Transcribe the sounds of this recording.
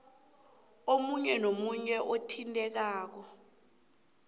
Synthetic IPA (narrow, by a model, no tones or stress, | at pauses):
omuɲɛnomuɲɛʔotʰintʼɛk̬aːk̬ɔ